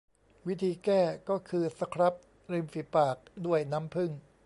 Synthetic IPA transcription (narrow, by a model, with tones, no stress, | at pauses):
wi˦˥t̪ʰiː˧kɛː˥˩kɔː˥˩kʰɯː˧sa˧kʰɾa˦˥p̚ | ɾi˧mfi˨˩paː˨˩k̚du˥˩əjna˦˥mpʰɯ˥˩ŋ